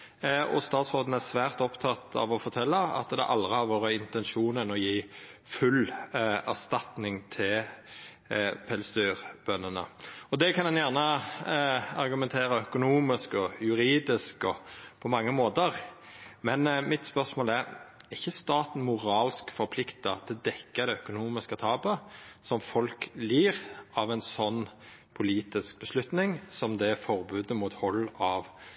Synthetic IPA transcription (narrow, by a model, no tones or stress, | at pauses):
ɔ̰st̪ɑːt̪sʁoːd̪n̩æʁsʋæːʁt̪ɔpt̪ʰɑt̪ʰɑ̰ʋɔfɔʁt̪ʰɛlːɑɑ̰t̪d̪ɛ̰ʔɑld̪ʁəhɑɾʋoːɾəɪnt̪ɛnʃuːnənɔjiːfʉlæʁst̪ɑt̪nɪŋt̪ʰɪl | pʰɛlsd̪yːʁb̥œnːənə̰ɔd̪ɛkʰɑnɛnjæʁnə | ɑɾɡʉmɛnt̪ʰeːɾəœkʊnuːmɪskɔjʉɾiːd̪ɪskɔpʰɔmɑŋːəmoːt̪əʁ | mɛnmɪt̪spœʁsmoːlæɾɪçːəst̪ɑːt̪n̩mʊɾɑːlskfɔɾpʰlɪkt̪ɑt̪ʰɪld̪ɛkːɑd̪ɛœkʊnuːmɪskət̪ʰɑːpəsɔmfɔlkliːʁɑʋɛnsɔnː | pʰʊliːt̪ɪsk̚bəslʉt̪nɪŋsɔmd̪ɛfɔɾbʉːd̪əmuːt̪hɔlːɑʋ